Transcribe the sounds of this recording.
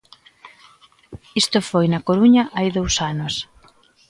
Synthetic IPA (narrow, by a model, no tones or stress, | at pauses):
ist̪ʊfojnɐkoɾuɲɐʔajðowsanʊs